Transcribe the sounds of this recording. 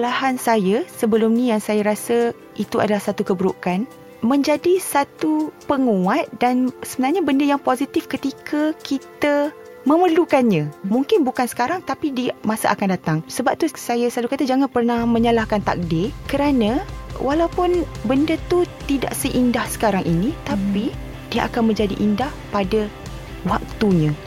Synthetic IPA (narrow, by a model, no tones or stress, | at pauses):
lahansajasəbəlʊmnĩjaŋsajaɾasa | it̪ua̰dalahsat̪ukəbəɾukan | mə̃ɲd͡ʒadisat̪upəŋuat̪̚dansəbənarɲabəndəjaŋpozit̪ɪfkət̪ikʰəkit̪a | məmərlukanɲãmũŋkɪnbukansə̥kaɾaŋt̪apidimasaʔakandat̪aŋsəbap̚t̪usajasalukat̪ad͡ʒaŋãnpərnahmə̃ɲəlahkant̪a̰k̚dɪkəɾanãwalawpʊnbəndət̪ut̪ida̰ʔsəʔindahsə̥kaɾaŋʔinit̪api | diaʔakanmə̃ɲd͡ʒadḭʔindahpada | wak̚t̪uɲã